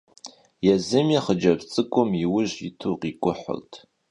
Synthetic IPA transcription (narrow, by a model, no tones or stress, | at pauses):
jɛzɨmjɛχəd͡ʒɐbt͡sʼɨkʷʼʊmiwʊʒitʰuqikʷʼʊħʷʊ̰rtʰ